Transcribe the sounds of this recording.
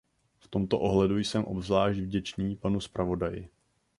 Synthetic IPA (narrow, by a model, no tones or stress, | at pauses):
ft̪o̞mt̪o̞ʔo̞ɦlɛdujsɛmʔobvzlaːʒd̪vɟɛt͡ʃniːpanuspɾavo̞dajɪ̰